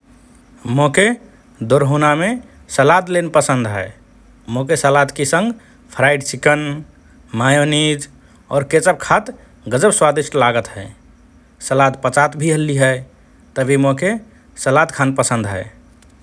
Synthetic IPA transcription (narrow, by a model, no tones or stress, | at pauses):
moke | d̪oɾɦuname | səlad̪lenpəsənd̪ɦɛː | mokesəlat̪kesə̃ŋɡ | pʰɾaɪɖsikən | majonid͡ʒ | ɔ̰ːɾket͡ʃəb̚kʰat̪ | ɡəd͡ʒəbswad̪iʃʈlaɡət̪ɦɛ̰ | səlad̪pət͡ʃat̪bʱiɦəlːiɦɛ | t̪əbʱimoke | səlad̪kʰanpəsə̃nd̪ɦɛ̰ː